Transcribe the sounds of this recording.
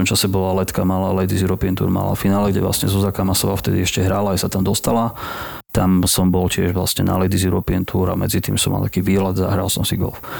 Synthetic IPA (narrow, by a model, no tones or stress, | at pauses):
ɔmt͡ʃasɛbɔlalɛt̪kamalalɛjd̪iziɾɔpint̪ṵːɾma̰la̰finaːlɛɡɟɛ̰ʋla̰sɲɛzuzakamasɔʋaft̪ɛd̪iɛʃcɛɦɾalaajsat̪amd̪ɔst̪ala | t̪amsɔmbɔlcɪɛʒʋlasɲɛna̰lɛd̪iziɾɔpint̪ʰuːɾa̰mɛd͡zit̪iːmsɔmːa̰lt̪ḁkiːʋiːɦlad̪za̰ɦɾa̰lsɔmsiɡɔ̰lf